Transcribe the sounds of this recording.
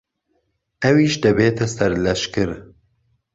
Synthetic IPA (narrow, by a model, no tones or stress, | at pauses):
ɛwiːʃd̪ɨbeːt̪ʰɛsɛɾlɛʃkɨɾ